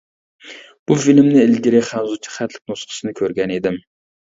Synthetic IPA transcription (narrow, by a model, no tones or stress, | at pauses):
b̥ufilɪmnɪɪlɡʲiɾɪχænzut͡ʃʰi̥χæt̪lɪ̥k̚ʲnosqʰə̥sɨnɪkʲʰøɾɡʲɛnid̪ɪm